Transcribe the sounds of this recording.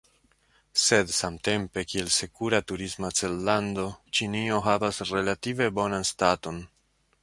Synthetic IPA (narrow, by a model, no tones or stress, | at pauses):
se̞dsamte̞mpe̞kie̞lse̞kuɾatuɾizmat͡se̞lːando̞t͡ʃinio̞ɦavasɾe̞lative̞bo̞nanstato̞n